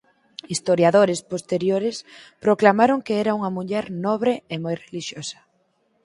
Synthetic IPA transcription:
ist̪oɾjaðoɾespost̪eɾjoɾespɾoklamaɾoŋkeɛɾauŋɐmuʎɛɾnɔβ̞ɾeemojreliʃjosɐ̥

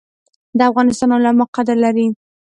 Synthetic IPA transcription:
d̪əafɣɑnɪst̪ɑnʊlamɑqad̪aɾlaɾi

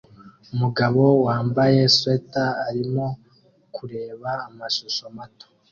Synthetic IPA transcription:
umuɡaβo̞waːmbaje̞swetaːɾimo̞ | kʰuɾe̞ːβaːmaʃoʃo̞mato̥

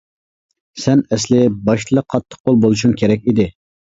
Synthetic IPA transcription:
sɛnɛslɪbɑʃt̪lˠəqʰːɑt̪ʰːə̥q̚bolˠbolˠuʃuŋkʲʰeɾɛk̚ʲid̪ɪ

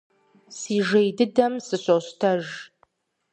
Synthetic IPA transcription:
siːʒejdɨdɐmsɨɕʼoɕtʰɐʒ

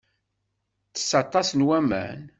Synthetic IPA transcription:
θə̥sːɑt̪ˤːɑsnwæmæ̰n

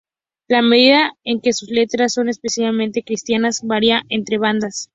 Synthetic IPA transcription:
lameðiðaeŋke̞suzle̞t̪ɾasːo̞ne̞spesjalmẽ̞nt̪e̞kɾist̪janazβaɾiaʔe̞nt̪ɾe̞β̞and̪as

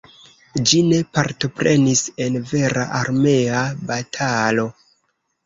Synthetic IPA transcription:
d͡ʒine̞paɾto̞pɾe̞nise̞nve̞ɾa̰ʔaɾme̞abatʰalo̞

